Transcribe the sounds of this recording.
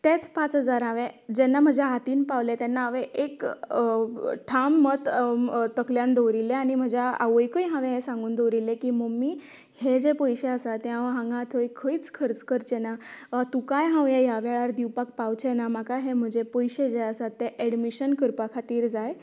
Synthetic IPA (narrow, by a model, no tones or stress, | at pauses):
t̪et͡spat͡sɦəd͡zaɾɦãʋẽd͡ʑɛnːam̤əd͡ʑjaɦat̪iːnpaʋlet̪enːaːʋeʔek | ʈʰamːət̪t̪əkljãnd̪ʱowɾilːeaɽ̃im̤əd͡ʑaa̰ʋəjkəjɦãʋẽɦesãŋɡuːnd̪owɾilːekiməmːi | hed͡ʑepɔjɕeəsat̪eɦãʋɦãŋɡãt̪ʰəjkʰəit͡skʰəɾt͡skəɾt͡ɕenat̪ukajɦãwjẽjaʋaɭaɾd̪iwpak̚pawt͡ɕenam̤akaɦem̤əd͡ʑepɔjɕed͡ʑeəsat̪ːeʔɛɽmiɕənkəɾpakʰat̪iːɾd͡zaj